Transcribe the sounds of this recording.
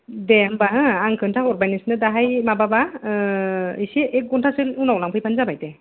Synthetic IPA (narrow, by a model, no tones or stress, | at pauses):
dembaɦɯaŋkʰɯntʰaɔɾbajnisnɯdaɦajmababa | isiʔek̚ɡɔntʰasɯlunawlaŋpʰɯjpʰanzabajte